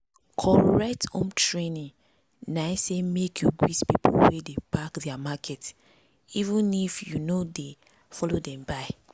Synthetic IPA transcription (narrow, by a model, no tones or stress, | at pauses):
kʰɔɹɛk̚tõ̰mtɹenĩŋ | naɪsemekʰjuɡwitpipo̰lwedebakdɛamakʰɛt | ivũnifjunode | fɔlodɛ̃mbaɪ